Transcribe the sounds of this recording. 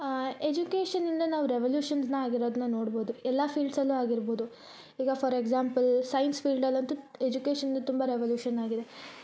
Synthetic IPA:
ed͡ʒukeːʃɐnind̪ɐnaːʋuɾeʋɐljuːʃɐnsnɐaːɡiɾoːd̪ɐnːɐno̞ːɽboːd̪uɛlːɐpiːlɖsɐlːuaːɡiɾboːd̪u | iːɡɐfʰɐɾeɡzaːmpɐlsɐjnsfiːlɖɐlːɐnt̪ued͡ʒukeːʃɐnind̪ɐt̪umbɐɾeʋɐljuːʃɐnaːɡid̪e

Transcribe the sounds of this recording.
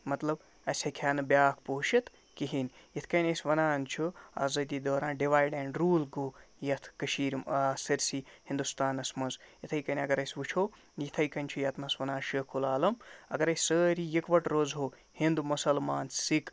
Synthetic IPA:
mɐt̪lɐb | ɐsʲɐkʲʰaːnɨbʲjaːkʰpoɦuʃit̪ʰ | kiɦinʲjɐt̪ʰkɐjnʲɐsʲʋɐnaːnt͡ʃʰua̰ːzɐd̪iːd̪oːɾãːnɖiʋaːjɖɛːɳɖɾuːlɡoːjɐt̪ʰkɐʃiːɾmasɐɾsihĩnd̪ust̪aːnɐsmɐnzjit̪ʰɐjkɐnʲɐɡɐɾɐjsʲʋut͡ʃʰoː | jit̪ʰɐjkɐnʲt͡ʃʰujɐt̪mɐsʋɐnaːnʃəkʰulaːlɐmɐ̰ɡɐɾɐsʲsəːɾijikʋɐʈɾoːzɦoː | hind̪umusɐlmaːnsik

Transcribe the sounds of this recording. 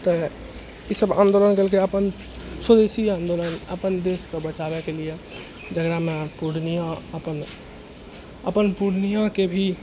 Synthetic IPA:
t̪ɔ | esəbã̰ːnd̪oːlənkəlkeəpən | swəd̪esiãːnd̪oːlənəpənd̪eːskobət͡ʃaːbɛkelie | d͡ʒəɡɾamẽpuɽnijãəpən | əpənpuɽnijãkebʱi

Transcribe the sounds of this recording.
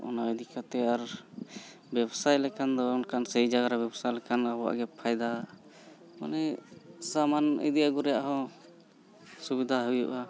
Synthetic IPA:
ɔ̰naɛd̪ikat̪ɛaɾ | bɛbsajlɛkand̪ɔɔnkansɛjd͡ʒaɡaɾabɛbsajlɛkanabɔa̰ʔɡɛpʰajd̪a | ma̰nɛsamanḭd̪ijaɡɔɾɛjaʔɦɔ̃ | subid̪ʱaɦujṵʔa

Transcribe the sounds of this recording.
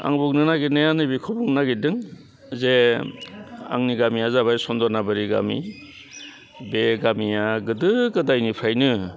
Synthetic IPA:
a̰ŋbuŋnɯnaɡinɯjanɯbikʰɔbuŋnaɡidɯŋ | ze | a̰ŋniɡamiazaβajsɔndɔɾnabɯɾiɡa̰mḭ | beɡamijaɡɯdɯɡɯdajnipʰɾajnɯ

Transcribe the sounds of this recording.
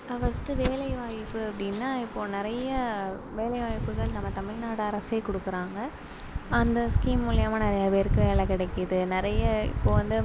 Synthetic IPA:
ɐʋɐsʈːɯʋeːlɐɪʋaːjɪpːɯɐpːɐɽɪnːaːɪpːoːnɪɾɐjɐʋeːlɐɪʋaːjɪpːɯɣɐɭnɐmːɐt̪ɐmɪlnaːɽɐɾɐseːkɔɽɯkːɯɾaːŋɡɐ | ɐnd̪ɐskiːmmʊːlɪjɐmaːnɪɾɐjaːpeːɾɯkːɯʋeːlɐkɪɽɛkːɯðɯnɪɾɐjɐɪ̰pːoːʋɐnd̪ɯ

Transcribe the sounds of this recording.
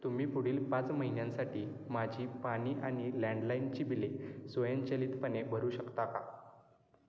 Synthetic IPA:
t̪um̤iːpuɽ̤iːlpãt͡sməɦinjãnsaʈʰiːmad͡ʑʱiːpaɽ̃iːʔaɽ̃ilɛ̃ɳɖlaint͡ɕiːbilesojẽnt͡ɕəliːt̪pənebʱəɾuːɕəkt̪aka

